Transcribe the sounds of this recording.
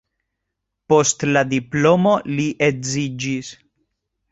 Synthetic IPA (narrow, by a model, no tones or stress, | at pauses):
po̞st̪ladiplo̞mo̞liʔezid͡ʒis